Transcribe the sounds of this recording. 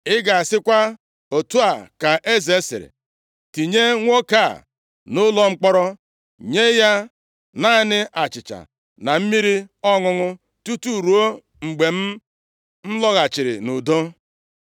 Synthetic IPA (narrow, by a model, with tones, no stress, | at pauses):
ɪ˦ɡa˨a˨sɪ˦kʷa˦ | o˨tu˦a˨ka˨ʔe˦ze˦sḛ˨ɾḛ˨ | ti˨ɲe˦ŋʷo˦ka˦˨ | nʊ˦lɔ˦ŋ͡m̩˦k͡pɔ˦ɾɔ˦ | ɲe˦ja˦ | na˦nɪ˦ʔa˨t͡ʃɪ˨t͡ʃa̰˨ | na˨m̩˦mi˦ɾi˦ɔ˦ŋʊ˦ŋʊ˦ | tu˦tu˦˨ɾu˨o˦ | ŋ͡m̩˨ɡ͡be˨m̩˦ | m̩˦lɔ˦ɣa˨t͡ʃɪ˨ɾɪ̰˨nʊ˨do˦